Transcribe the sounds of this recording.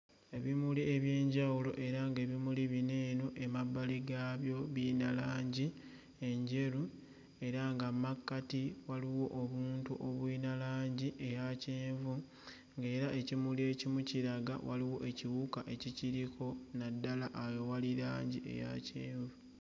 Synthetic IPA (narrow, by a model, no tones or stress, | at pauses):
e̞βimulie̞βje̞ːɲɟawulo̞̰ʔe̞ɾaŋɡe̞ːβimuliβine̞ːno̞ʔe̞mabːaliɡaːβjo̞βiːnalaːɲɟi | e̞ɲɟe̞ɾu | e̞ɾaŋɡamakːatiwaliwo̞ʔːβuːntuʔoβwiːnalaːɲɟiʔe̞jaceːɱvu | ŋɡe̞ːɾaʔe̞cimulie̞cimuciɾaɡa̰wa̰liwo̞̰ʔe̞ciβukaʔe̞ciciɾikʰo̞nadːalaʔːjowaliɾaːɲɟie̞̰ja̰ceːɱvu